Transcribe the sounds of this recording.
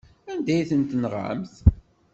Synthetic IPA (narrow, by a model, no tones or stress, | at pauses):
ænd̪æjθənt̪nəʁʕə̰mθ